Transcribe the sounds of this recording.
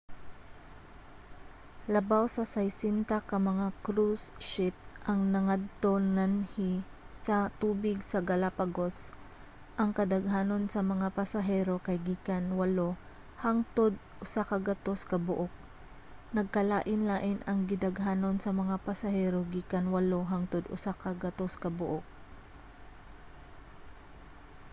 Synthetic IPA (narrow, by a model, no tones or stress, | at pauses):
lɐbawsɐsɐjsɪnt̪akɐmɐŋakɾusʃɪp̚ʔɐŋnɐŋad̪̚t̪o̞nanhi | sɐt̪uːbɪɡsɐɡɐlapɐɡo̞s | ʔɐŋkɐd̪ɐɡɦaːno̞nsɐmɐŋapɐsɐɦɛːɾo̞kɐjɡiːkɐnwɐlo | haŋt̪od̪̚ʔʊsakɐɡɐt̪o̞skɐbʊʔok̚ | nɐɡ̚kɐlaːʔɪnlaːʔɪnɐŋɡɪd̪ɐɡɦaːno̞nsɐmɐŋapɐsɐhɛːɾoɡiːkɐnwɐloɦaŋt̪od̪ʔʊ̰sakɐɡɐt̪oskɐbʊʔok̚